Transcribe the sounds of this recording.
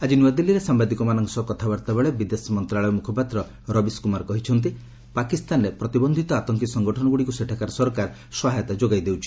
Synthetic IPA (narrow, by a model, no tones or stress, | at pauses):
ad͡ʒinuad̪ilːiɾesambad̪ikɔmanɔŋsɔkɔt̪ʰabaɾt̪abeɭebid̪esmɔnt̪ɾaɭɔjmukʰɔpat̪ɾɔ | ɾɔbiskumaɾkɔɦit͡ʃʰɔnt̪̬i | pakist̪anɾepɾɔt̪ibɔnd̪ʱit̪ɔat̪ɔŋkisɔŋɡɔʈʰɔnɔɡuɽikuseʈʰakaɾsɔɾɔkaɾ | sɔɦajɔt̪ad͡ʒoɡajd̪ewt͡ʃʰi̥